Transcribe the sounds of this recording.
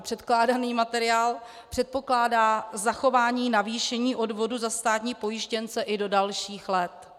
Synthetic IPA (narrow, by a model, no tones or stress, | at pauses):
pr̥ɛt̪klaːdaniːmat̪ɛɾɪaːl | pr̝̥ɛt̪̚po̞klaːdaːzaxo̞vaːɲiːnaviːʃɛɲiːʔo̞dvo̞duzast̪aːt̪ɲiːpo̞jɪʃcɛnt͡sɛʔɪdo̞dalʃiːxlɛt̪